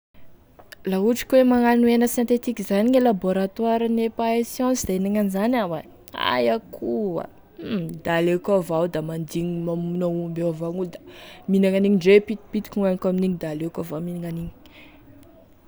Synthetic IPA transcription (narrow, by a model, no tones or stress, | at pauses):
lauʈ͡ʂi̥kwemaŋanuenəsjɛ̃nt̪et̪ikizaniɲelaboɾat̪waɾənepaesjɔ̃sid̪ainaŋanizanawa | a̰jakʰua̰ | d̪alekavawd̪amand̪iɲimamunəumbeavaŋuld̪aminaŋaniɲiɳɖ͡ʐepit̪i̥pit̪i̥kŋanikaminiɲid̪alekʲavaminaŋaniɲi̥